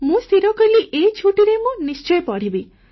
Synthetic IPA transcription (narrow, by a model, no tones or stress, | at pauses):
mũst̪ʰiɾɔkɔliʔet͡ʃʰuʈiɾemũnist͡ʃɔjpɔɽ̤ibi